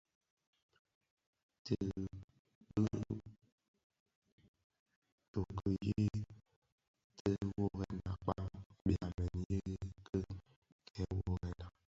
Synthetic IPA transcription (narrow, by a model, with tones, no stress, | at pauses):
te˦ | bə˦ | to˨kə˨je˦ | tə˦wo˦ɣɛ˦nã˨k͡pa˦ɓi˨a˨mɛ˨ni˨˦je˦kʰə˦ | kɛ˦wo˦ɣɛ˦na˨